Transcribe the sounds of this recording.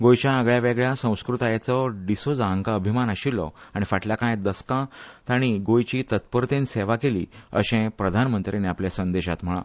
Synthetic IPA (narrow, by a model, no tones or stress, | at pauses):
ɡojt͡ɕjaəɡɭjaʋeɡɭjasə̃w̃skɾut̪ajat͡sɔɖisod͡zaŋɡaəbʱimanəɕilːɔ̰aɽ̃ifaʈljakãjd̪əskãt̪aɽ̃iɡojt͡ɕiːt̪ət̪̚pəɾt̪ẽnseʋakelḭːə̰ɕẽpɾəd̪ʱanmənt̪ɾeneapljasənd̪eɕat̪m̤əɭã̰